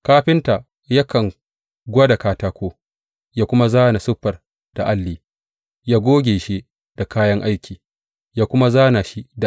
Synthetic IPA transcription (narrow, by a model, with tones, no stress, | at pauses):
kaː˦ɸɪ˦nta˨ | ja˦kɐ˨ŋ | ɡʷa˦da˨kaː˦taː˦kʷoː˦ | jaː˦kʷʊ˦ma˦zaː˦na˨sʊ˦ɸːɐ˨r | d̥a˨ʔa˦lːiː˨ | jaː˦ɡʷoː˦ɡʲeː˨ʃi˦ | d̥a˨kaː˦jɐ˦ŋʔa˦jkʲiː˨ | jaː˦kʷʊ˦ma˦zaː˦na˨ʃi˦da˨